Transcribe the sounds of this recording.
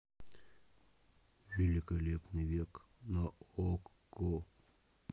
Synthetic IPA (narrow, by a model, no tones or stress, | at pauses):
vʲɪlʲɪkɐlʲepnɨjvʲek | nɐok | ko